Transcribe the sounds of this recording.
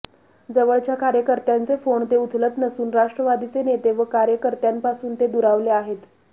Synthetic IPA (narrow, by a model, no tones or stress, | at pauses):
d͡zəʋəɭt͡ɕjakaɾjəkəɾt̪jant͡sefoɳt̪eut̪ʰlət̪nəsuːnɾaʂʈɾəʋad̪it͡senet̪eʋəkaɾjəkəɾt̪jampasuːnt̪ed̪uɾaʋleaɦet̪